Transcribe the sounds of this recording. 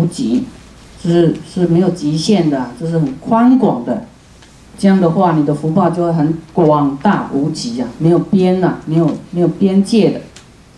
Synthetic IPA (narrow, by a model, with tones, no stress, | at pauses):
u˧˥t͡ɕi˧˥ | ʂ̩˥˧ʂɻ̩˥˩me˧˥ɪjo˨˩ʊt͡ɕi˧˥ɕjɛ˥˩nd̪ə˩a˨˩t͡ɕjo˥˧ʂ̬̩˥˩xə˨˩nkʰwa˥nkwɑ˨˩ŋd̪ə˦ | ʈ͡ʂɤ˥˧jɑ˥˩ŋd̪ə˩xwa˥˩ni˨˩d̪ə˦fu˧˥pɑ˥˧t͡ɕo˥˧ʂ̩˥˩xə˧˥nkwɑ˨˩ŋt̪a˥˩u˧˥t͡ɕi˧˥ɐ˨me˧˥ɪjo˨˩ʊpjɛ˥na˨˩me˧˥ɪjo˨˩ʊme˧˥ɪjo˨˩ʊpjɛ˥nt͡ɕjɛ˥˩d̪ə̰˩